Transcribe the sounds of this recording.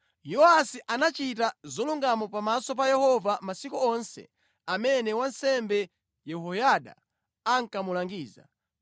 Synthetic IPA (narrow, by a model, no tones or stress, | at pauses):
jɔasiʔanat͡ʃitazɔluŋɡamɔpamasɔp̬ajɛhɔvamasikuɔnsɛ̰ | amɛnɛwansɛmbɛ | jɛhɔjaɗa̰ | aŋkamulaŋɡiːza̰